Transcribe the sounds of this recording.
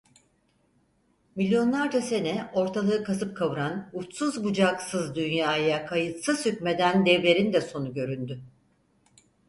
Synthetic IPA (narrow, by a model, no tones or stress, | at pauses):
milʲjo̞nlˠaɾd͡ʒase̞nɛo̞ɾt̪ʰalˠɯːɯkʰasɯp̚kʰaβɯɾanut̪suzbud͡ʒaksɯzd̪ynjaːjakʰajɯt̪sɯz̥hycme̞d̪ænd̪ɛvlʲe̞ɾind̪ɛso̞nuɟø̞ɾynd̪y